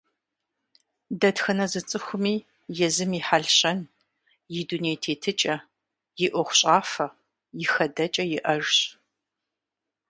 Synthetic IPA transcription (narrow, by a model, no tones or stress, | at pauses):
dɐtxɐnɐzɨt͡sʼɨxʷʊmiː | jɛzɨmiːħaɮɕɐn | jɪduneːjtʰeːtʰɨt͡ʃʼɐ | jɪʔʷɔχʷʊɕʼaːfɐ | jɪxɐdɐt͡ʃʼɐjɪʔɐʒɕ